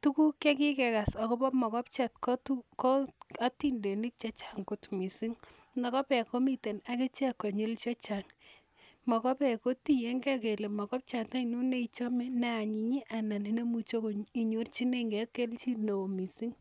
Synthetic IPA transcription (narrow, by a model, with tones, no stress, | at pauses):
tu˦ku˦ke˦ki˦kɛ˨ka˨sa˨ko˦pɔ˦mɔ˨kɔ˦p̚t͡ʃat̚ko˦tuko˦a˦ti˦nde˨ni˦k̚t͡ʃa˦t͡ʃḁ˦ŋkʊ˨tmi˨si˦ŋ | nɔ˨kɔ˦pɛ˨ko˦mi˨te˨na˦ke˦t͡ʃa˨kːo˨ɲu˦lt͡ʃɔ˦t͡ʃaŋ | mɔ˨kɔ˦pɛ˨ko˦ti˦je˦ŋɡɛ˦ke˨le˨mɔ˨kɔ˦p̚t͡ʃa˨ta˦i˨nu˦ne˦it͡ʃɔ˦mɛ˦nɛ˦a˨ɲi˨ɲi˦ʔa˨na˨ni˨ne˦mu˨t͡ʃo˦ki˨ɲo˦rt͡ʃi˦ne˦ŋɡɛ˦ke˦lt͡ʃi˦no˨o˨mi˨si˦ŋ